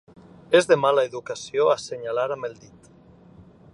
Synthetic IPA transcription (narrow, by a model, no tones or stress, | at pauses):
ezðemalaeðukasioaseɲalaɾamelˠd̪it̪